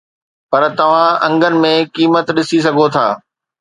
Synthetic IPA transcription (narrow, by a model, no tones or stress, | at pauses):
pɐɾt̪ɐʋ̤ãɐ̃ŋɡənɪ̆mẽkiːmət̪ɗɪsis̬ɐɡʱot̪ʰaː